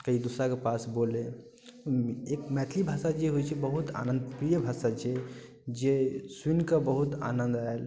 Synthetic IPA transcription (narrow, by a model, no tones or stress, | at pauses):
kəid̪usɾakepasbole | ekmɛt̪ʰlibʱaːsad͡ʒeɦojt͡ʃʰɛbəɦut̪a̰nə̃nd̪pɾijəbʱasat͡ʃʰe | d͡ʒeswinkəbəɦut̪a̰nənd̪ael